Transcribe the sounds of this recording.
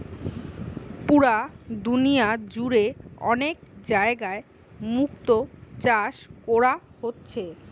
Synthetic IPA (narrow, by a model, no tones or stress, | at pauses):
puɾad̪unijad͡ʑuɾeɔ̰nekd͡ʑaeɡae | mukt̪ot͡ɕaʃkoɾaɦotːɕʰe